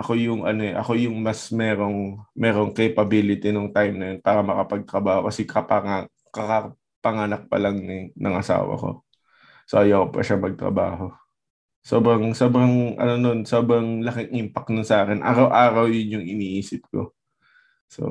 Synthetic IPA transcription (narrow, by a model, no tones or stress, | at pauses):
ʔɐko̞jʊŋɐno̞ɛʔɐko̞jʊŋmɐsmɛːɾo̞ŋmɛːɾo̞ŋkɐjpɐbiːlɪt̪inʊŋt̪ajmnɐjonpaːɾɐmɐkɐpɐɡ̚t̪ɾɐbaːhokɐsɛkʰɐpɐŋa | kɐka | pɐŋaːnɐk̚pɐ̰lɐŋnɪnʔɐŋʔɐsa̰ːwɐ̰ko̞̰ | soʔɐjakpɐ̰ʃamɐɡ̚t̪ɾɐ̰ba̰ːɦo̞ | so̞ːbɾɐŋso̞ːbɾɐŋʔɐ̰nono̞nsoːbɾɐŋlɐkɪŋʔɪmpɐk̚nʊnsɐʔaːkɪnʔa̰ːɾɐwʔaːɾɐwjʊnjʊŋɪniːʔiːsɪp̚ko̞̰ | so̰